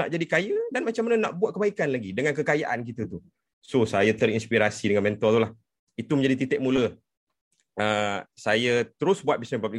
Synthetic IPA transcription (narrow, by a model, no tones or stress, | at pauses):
na̰ʔd͡ʒadikajədanmat͡ʃamːanəna̰ʔbuat̪̚kəbaikanlaɡidəŋankəkajaʔank̬it̪ət̪u | sosajat̪əɾinspiɾasidəŋanmɛnt̪ɔt̪ulah | it̪uməɲd͡ʒadit̪̬it̪ɛʔ̚mũlə | əsajət̪əɾʊsbuat̪̚bisnɛpab̚li